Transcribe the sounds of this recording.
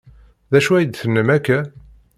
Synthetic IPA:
ðæʃuæjəd̪θənːəmækːæ

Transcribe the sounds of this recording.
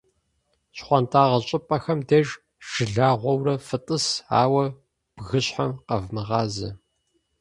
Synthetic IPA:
ɕχʷɑntʰaːʁɐɕʼɪpʼɐxɐmdɐʒ | ʒ̥ɨɮaːʁʷɔwrɐfɨtʼɨsa̰ːwɐ | b̥ɣɨɕħɐmqɐvmɨʁɑːzɐ

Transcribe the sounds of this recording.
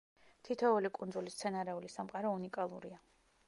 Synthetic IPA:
t̪ʰit̪ʰɔulikʼund̪zulist̪sʰɛnaɾɛulisamqʼaɾɔunikʼalˠṵɾia

